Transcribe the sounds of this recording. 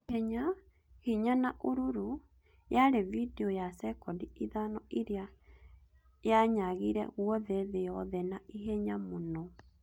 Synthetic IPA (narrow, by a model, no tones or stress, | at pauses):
hɛɲa | hiɲanaʔoɾuɾu | jaɾevideɔjasɛkɔdiiðanɔʔiɾea | jaɲaɣiɾɛ̰ɣwɔðɛðejɔðɛnaiɦɛɲamonɔ